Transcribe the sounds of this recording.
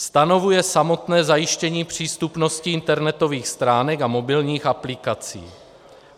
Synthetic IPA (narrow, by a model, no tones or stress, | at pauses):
st̪ano̞vujɛsamo̞t̪nɛːzajɪʃcɛɲiːpr̝̥iːst̪upno̞scɪɪnt̪ɛɾnɛt̪o̞viːxst̪ɾaːnɛkamobɪlɲiːxaplɪkat͡sḭː